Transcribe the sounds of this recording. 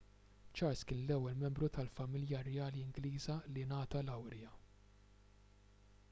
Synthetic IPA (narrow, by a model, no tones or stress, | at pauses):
t͡ʃɐɾskɪːnlɛwːɛlmɛmbɾut̪ɐlfɐmɪljɐɾɛjɐːliɪŋɡliːzɐlinɐːt̪ɐlɐwɾjɐ